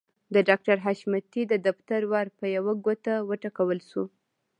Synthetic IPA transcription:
d̪əɖɑk̚ʈaɾɦaʃmat̪id̪əd̪aft̪aɾwɑɾpəjawaɡot̪awəʈakawəlʃu

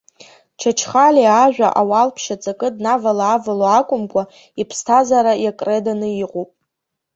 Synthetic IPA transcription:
t͡ʃʰat͡ʃʰχaliaʒᶣʷa̰ʔawalpʰʃat͡sʼakʼɨdnavalaːvaloakʷʼʊmkʷʼa | ipʰstʰazaɾajakʼredanɨiqʼupʼ

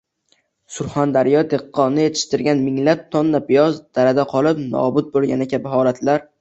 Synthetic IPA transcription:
sʊɾχand̪aɾjɒd̪e̞qːɒnnːɪje̞t̪ʰɪ̥ʃt̪ɪɾɡʲanmɪŋlap̚t̪ʰɒnːapɪjɒzd̪̥aɾad̪aqʰɒlˠɪpnɒ̰bʊt̪̚bolˠɡʲa̰nakʲʰabɪɦɒlat̪ʰlaɾ

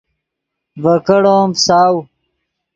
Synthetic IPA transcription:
vɐkɐɽoːmsaːw

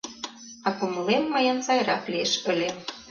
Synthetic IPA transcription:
ɑkumlemːɤjɤ̆nsɑjɾɑklieʃə̆lʲem

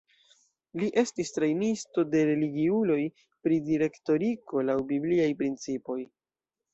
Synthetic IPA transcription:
liʔe̞stistɾejnisto̞de̞ɾe̞liɡiulo̞j | pɾidiɾe̞kto̞ɾiko̞lawbibliajpɾint͡sipo̞j

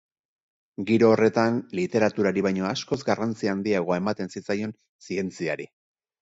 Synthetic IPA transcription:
ɡiɾo̞ːre̞t̪anlit̪e̞ɾat̪uɾaɾiβajɲo̞asko̞zɡarant͡siaːnd̪iaɣ̞o̞ae̞mat̪e̞nsit͡sajo̞n | sie̞nt͡siaɾi

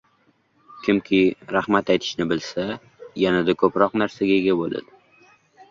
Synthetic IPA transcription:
kʲʰɪmkʲʰɪɾahmat̪ajt̪ʰɪ̥ʃnɪbɪlsa | janad̪akʰɵpɾɒqnaɾsaɡʲaeɡʲabolˠa̰d̪ɪ

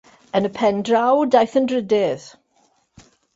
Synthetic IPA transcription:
ənəpʰɛndrawdajθəndrədɪð

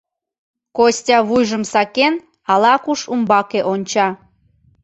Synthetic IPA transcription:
kosʲtʲɑβujʒəmsɑken | ɑlɑkuʃumbɑkeʔonʲt͡ɕɑ

